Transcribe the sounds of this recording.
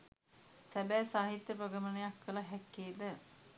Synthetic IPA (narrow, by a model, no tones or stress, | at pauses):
sæbæːsaːɦit̪jəpɾoɡəmənəjakːəlaɦɛkːeːd̪ə